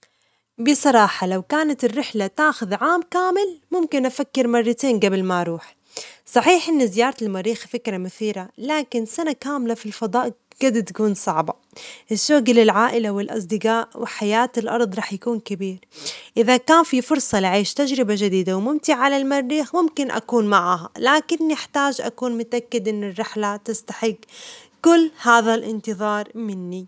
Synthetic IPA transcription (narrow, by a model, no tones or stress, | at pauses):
bɪsˤɑɾˤɑːħɑlawkaːnat̪ɪrːɪħlat̪aːxʊðʕaːmkaːmɪlmʊmkɪnʔafakːɪɾmɑrˤːɑt̪eːnɡablmaʔɑɾˤuːħ | sˤɑħiːħʔɪnːɪzɪjɑːɾˤt̪ɪlmaɾiːxfɪkɾamʊθiːɾalaːkɪnsanakaːmlafilfɑd̪ˤɑːʔ | ɡ̥ad̪at̪ːakuːnsˤɑʕbɑ | ʔɪʃːoːɡɪlɪlʕaːʔɪlawɪlʔɑ̰s̬ˤd̪ɪɡaːʔwɪħajaːt̪ɪlʔɑɾˤd̪ˤɾˤɑːħjakuːnkabiːɾʔɪðakaːnfifʊɾsˤɑlɪʕiːʃt̪aʒɾɪbaʒad̪iːd̪awmʊmt̪ɪʕʕalalmaɾːiːxmʊmkɪnʔa̰kuːnmaʕaːɦalaːkɪnːɪħt̪aːd͡ʒʔa̰kuːnmʊt̪ʔakːɪd̪ʔɪnːɪrːɪħlat̪ɪst̪aħɪɡ | kʊlːhaːðalʔɪ̰nt̪ɨðˤɑːɾˤmɪnːi